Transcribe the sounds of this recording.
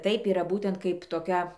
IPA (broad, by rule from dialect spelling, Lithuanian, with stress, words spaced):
ˈtɐɪp iːˈrɐ ˈbuːtʲɛnt ˈkɐɪp toːˈkʲɛ